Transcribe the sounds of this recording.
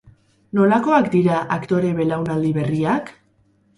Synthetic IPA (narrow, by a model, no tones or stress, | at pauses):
no̞lako̞akd̪iɾaʔakt̪o̞ɾe̞βe̞lawnald̪iβe̞riak